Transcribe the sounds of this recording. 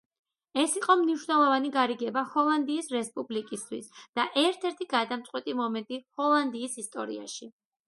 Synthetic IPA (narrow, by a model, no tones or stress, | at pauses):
ɛsiqʼɔmniʃwnɛlˠɔvaniɡaɾiɡɛbahɔlˠand̪iːsɾɛspʼublikʼist̪ʰwḭsd̪̥aʔɛɾt̪ʰɛɾt̪ʰiɡad̪amt̪sʼqʼwɛt̪ʼimɔmɛnt̪ʼihɔlˠand̪iːsist̪ʼɔɾḭa̰ʃi